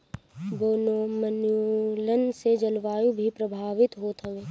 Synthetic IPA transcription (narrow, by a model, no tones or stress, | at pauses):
boːnoːmənjulənsed͡ʒɐlʋaːjubʱipɾəbʱaːʋɪt̪ɦoːt̪ɦɐʋeː